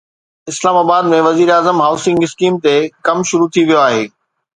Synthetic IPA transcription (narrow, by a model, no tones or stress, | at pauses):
ɪslaːmaːbaːd̪mẽʋɐziːɾaːzəmɦaːʊsɪ̃ŋɡɪskiːmt̪ekɐmʃʊɾut̪ʰiʋijoaːɦeː